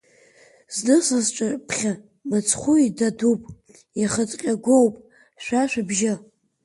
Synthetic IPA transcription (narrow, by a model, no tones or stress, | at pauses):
znɨsazʈ͡ʂʷʼapʰχʲa | mɨt͡sʰχʷuidadupʼ | jaχət͡sʼqʲʼaɡʷowpʼ | ʃʷᶣaʃʷᶣabʒɪ